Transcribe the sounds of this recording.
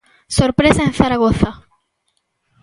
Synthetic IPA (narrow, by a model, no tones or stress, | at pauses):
soɾpɾesaẽnθaɾaɣoθa